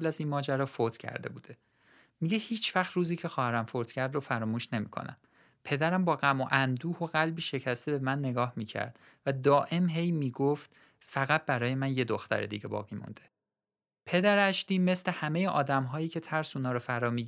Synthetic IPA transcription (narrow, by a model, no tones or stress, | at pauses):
læzinmɒːd͡ʒæɾɒːfot̪ʰcʰæ̰ɾd̪e̞̰bṵːd̪̥e̞ | miɟe̞hiːt͡ʃʰvæχt̪ɾuːziːcʰe̞xɒːhæɾæmfoɾt̪cʰæɾd̪rofæɾɒːmuːʃne̞mḭːkʰo̰næ̰m | pʰe̞d̪æɾæmbɒːɣæmoʔænd̪uːhoɣælbiːʃe̞cʰæst̪ʰe̞be̞mænːe̞ɡɒːhmiːcʰæ̰ɾd̪̥ | væd̪ɒːʔe̞mɦe̞jmiːɡoft̪ | fæɣæt̪̚bæɾɒːje̞mænje̞d̪oxt̪æ̰ɾḛd̪ḭɟe̞bɒ̰ːɣiːmṵnd̪e̞ | pʰe̞d̪æɾæʃt̪iːme̞sle̞hæme̞jeʔɒːd̪æmɦɒːjiːcʰe̞t̪ʰæɾsuːnɒːɾofæɾɒːmi